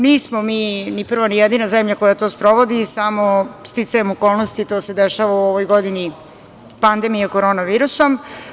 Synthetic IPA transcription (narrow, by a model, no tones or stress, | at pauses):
niːsmo̞miːnipr̩ʋanijed̪inazemʎako̞jat̪ospɾo̞ʋo̞d̪isamo̞st̪it̪sajemoko̞ːlˠnost̪it̪o̞ːse̞d̪eʃaʋauoʋojɡo̞d̪ini | pand̪e̞mijeko̞ɾoːnaʋiːɾuso̞m